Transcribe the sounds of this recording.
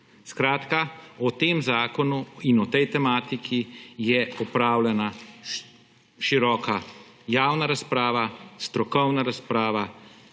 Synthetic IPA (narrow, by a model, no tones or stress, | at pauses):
skɾaːt̪kaɔt̪eːmzaːkɔnuinɔt̪ɛjt̪ɛmaːt̪ikʰijɛɔpɾaːwlʲɛna | ʃiɾɔːka | jaːwnaɾaspɾaːʋast̪ɾɔkɔwnaɾaspɾaːʋa